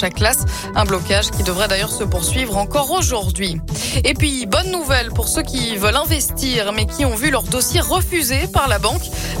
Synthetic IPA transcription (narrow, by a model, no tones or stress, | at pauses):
ʃakːlas | ɛ̃blɔkaʒkʲid̪əvʁɛd̪ajœʁsəpuʁsɥivʁɑ̃kɔʁoʒuʁd̪ɥiepɥibɔnːuvɛlpuʁsøkʲivəlɛ̃vɛst̪iʁmɛkʲʰiɔ̃vylœʁd̪osjeʁəfyzepaʁlabɑ̃k